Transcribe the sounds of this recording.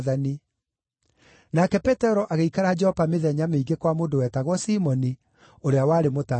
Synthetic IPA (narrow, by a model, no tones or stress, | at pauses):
ani | nakɛpɛtɛɾɔʔaɣeikaɾad͡ʒɛhɔpameðɛɲameiɡekwamoːndowɛtaɣwɔsimɔni | oɾeawaɾemota